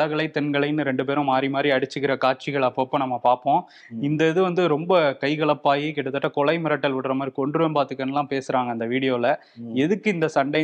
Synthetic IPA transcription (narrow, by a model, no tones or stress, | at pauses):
ɐɣɐɭɐɪt̪ɛnɡɐɭɐɪnːɯɾɛɳɖɯp̬eːɾʊ̃maːɾimaːd̪ɾiɐɽɯt͡ʃːɯkːɪɾɐkaːʈ̚t͡ʃɪɣɐɭɐpːɐɐpːɐ̃nɐmːɐpaːɾpõː | ɪnd̪ɐɪðɯʋɐnd̪ɯɾɔmbɐkɐɪɣɐɭɐpːaːjikɛʈːɐt̪ːɐʈːɐkɔɭɐɪmɪɾɐʈːɐlʋɪɽɐɾɐmaːd̪ɾikɔɳɖɾɯʋempaːɾt̪ɯkːɐnːɐlːãːpeːsɯɾaːŋɡɐnd̪ɐʋiːɽɪjoːɪlɐ | ɛðɯkːɯɪnd̪ɐsɐɳɖɐɪ